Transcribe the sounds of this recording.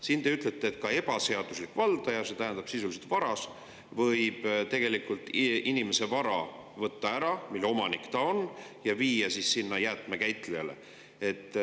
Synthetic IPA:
sint̪e̞yt̪ˑle̞t̪ːˑe̞ːt̪̚kɑe̞bɑse̞ɑd̪uslikːˑvɑld̪̥ɑjɑse̞t̪æɦænd̪̥ɑb̥sisuliset̪vɑɾɑs | vɤjb̥t̪e̞ɡ̥e̞likult̪ːˑʔinimese̞vɑɾɑ | vɤt̪ːɑæɾɑmilːo̞mɑnikt̪ɑonjɑviːjɑsissinːɑjæt̪ˑmekæjt̪ˑlejɑle̞̰ | e̞t̪ːˑ

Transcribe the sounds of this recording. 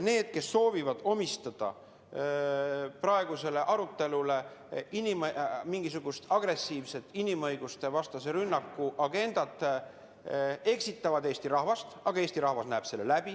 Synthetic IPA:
ne̞ːd̪̥̚ke̞sːo̞ːvivɑd̪̥o̞mist̪ɑd̪̥ɑ̰ | prɑe̞ɡ̥use̞le̞ʔɑɾut̪ːe̞lule̞inimmiŋɡ̥isuɡ̥ust̪ɑɡ̥re̞sːiːvse̞t̪ːˑinimɤ̞jɡ̥ust̪e̞vɑst̪ɑseɾynːɑkːuʔɑɡe̞nd̪̥ɑt̪ːˑ | e̞ksit̪ːˑɑvɑd̪e̞ːst̪iɾɑɦvɑst̪ɑɡ̥ɑe̞ːst̪iɾɑhvɑsnæːb̥se̞lːelæb̥i

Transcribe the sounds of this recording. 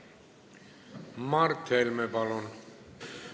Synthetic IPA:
mɑɾt̪ʰːɛlmɛpɑlɔn

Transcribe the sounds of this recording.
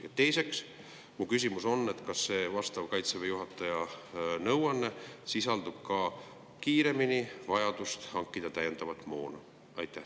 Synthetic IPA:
jɑt̪ːe̞jse̞ks | mukys̬ʲimuso̞nːe̞t̪kɑsːe̞ːvɑst̪ɑvkɑjt̪sevejuɦɑt̪ːˑɑjɑnɤwɑnːesisɑld̪ub̥kɑ | kiːɾe̞minivɑjɑd̪̥ust̪hɑŋkːˑid̪̥ɑt̪æje̞nd̪̥ɑvɑt̪ˑmo̞ːnɑ | ɑ̰jt̪ːˑæh

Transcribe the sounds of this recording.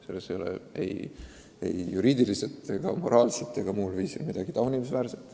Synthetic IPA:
selːesejolḛḛj | ḛjjuɾiːd̪iliset̪ːˑeɡ̥ɑ̰mo̞ɾʔɑːlset̪ːˑe̞ɡ̥ɑmuːlviːsḭlmid̪ɑɡ̥it̪ɑwnimesvæːɾset̪ːˑ

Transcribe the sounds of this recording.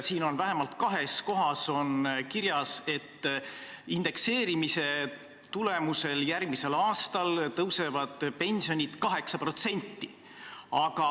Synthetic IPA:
siːno̞nvæɦe̞mɑlt̪kɑɦe̞sko̞ɦɑso̞nkiɾjɑse̞t̪ː | ind̪̥e̞kse̞ːɾimise̞ | t̪ule̞muse̞ljærɡ̚mise̞lɑːst̪ɑlt̪ɤwse̞vɑd̪̥pe̞nʲsio̞nʲid̪̥kɑɦe̞ksɑpro̞t̪se̞nʲt̪ːi | ɑɡ̥ɑ

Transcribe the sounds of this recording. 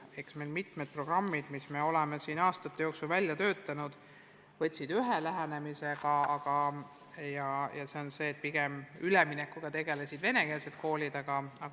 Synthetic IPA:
e̞ksme̞lmit̪ˑmed̪̥̚pro̞ɡ̥rɑmːid̪̥misme̞o̞lemesiːnɑːst̪ɑt̪ːejo̞ːksulvælʲjɑt̪ø̞ːt̪ːˑɑnud̪̥ | vɤ̞t̪ʲsid̪yɦelæɦæne̞mise̞ɡ̥ɑɑɡ̥ɑ | jɑjɑse̞o̞nse̞ːt̪̚ːˑpiɡ̥e̞myleminekːˑuɡ̥ɑt̪e̞ɡ̥e̞lesʲid̪̥ve̞ne̞keːlset̪̚ko̞ːlʲid̪ɑɡ̥ɑɑ

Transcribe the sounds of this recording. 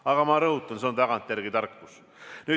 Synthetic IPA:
ɑɡ̥ɑmɑɾɤɦut̪ːˑɑnseont̪ɑɡɑnt̪ːˑjæɾɡit̪ɑrkːus | nyː

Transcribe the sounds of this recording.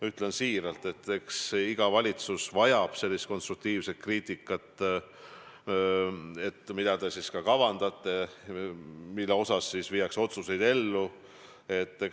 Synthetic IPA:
yt̪ːˑlensiːɾɑlt̪e̞t̪ːe̞ksiɡ̥ɑvɑlʲit̪susvɑjɑb̥se̞lʲːist̪̚ko̞nst̪ruk̚t̪iːvset̪̚kriːt̪ʲˑikːˑɑt̪ːˑ | e̞t̪ːˑmid̪̥ɑd̪esiskɑkɑvɑnd̪̥ɑt̪ˑːe̞ | milːeo̞sɑsːisvijɑkso̞t̪suse̞jd̪e̞lːu | e̞t̪ˑːe

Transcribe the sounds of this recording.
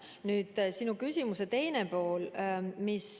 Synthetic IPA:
nyːd̪̥sinukysʲimuse̞t̪e̞jnepo̞ːlmis

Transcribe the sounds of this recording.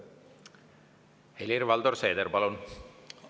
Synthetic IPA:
helʲiɾʋɑld̪orseːd̪eɾpɑlon

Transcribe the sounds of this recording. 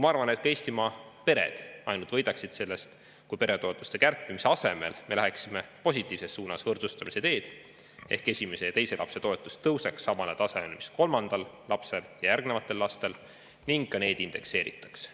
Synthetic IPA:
mɑɑrvɑne̞t̪̚ke̞jst̪imɑpe̞ɾḛd̪̥ɑ̰jnult̪vɤ̞jd̪ɑksid̪̥se̞lːe̞st̪ | kujpe̞ɾe̞t̪o̞et̪ːˑu̥st̪e̞kærpˑːimise̞ɑse̞me̞̰lme̞læɦeksime̞po̞sʲit̪ːˑiːvse̞sːuːnɑsvɤrt̪sust̪ɑmise̞t̪e̞ːd̪̥ | e̞̰hke̞sʲime̞se̞jɑt̪e̞jse̞lʔɑ̰pse̞t̪o̞et̪ːˑust̪ːɤwse̞ksːɑmɑnet̪ɑse̞me̞lmisko̞lmɑnd̪̥ɑlːɑpse̞ljɑjærɡne̞vɑt̪ːˑe̞lːɑst̪e̞l | niŋɡ̥kɑne̞ːd̪̥ind̪̥e̞̰kse̞ːɾḭt̪ːˑɑ̥ks

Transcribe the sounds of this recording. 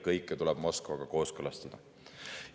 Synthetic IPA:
kɤjkːˑt̪ulɛb̥mo̞skvɑɡ̥ɑko̞ːskɯlɑst̪ɑd̪̥ɑ

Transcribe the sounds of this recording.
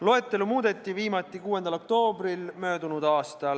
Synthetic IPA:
lo̞e̞t̪ːˑe̞lumuːd̪e̞t̪ːˑiviːmɑt̪ːˑikuːe̞nd̪̥ɑlo̞kt̪o̞ːbrilmø̞ːd̪unud̪ɑːst̪ɑl

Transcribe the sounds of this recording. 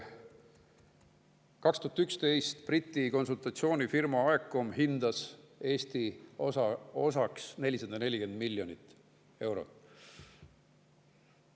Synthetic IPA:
kɑkst̪uhɑt̪ykst̪e̞jst̪prit̪ʲːˑiko̞nsult̪ˑɑt̪sio̞ːnʲifirmɑɑekːˑomɦind̪̥ɑse̞ːst̪iosɑo̞sɑksne̞lʲːisɑd̪ɑne̞lʲike̞nd̪milʲːjo̞nit̪ːˑ | e̞wɾot̪ˑ

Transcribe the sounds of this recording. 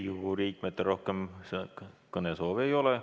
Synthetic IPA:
juuriːk̚met̪ːˑero̞hkemskɤnesoːʋejo̞le

